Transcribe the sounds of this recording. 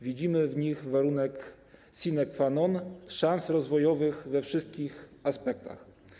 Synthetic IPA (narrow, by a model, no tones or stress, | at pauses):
vʲid͡ʑimɘvɲixvaɾunɛk | sʲinɛkfanɔnʂansɾɔzvɔjɔvɘxvɛfʂɘst̪kʲixaspɛk̚t̪a̰x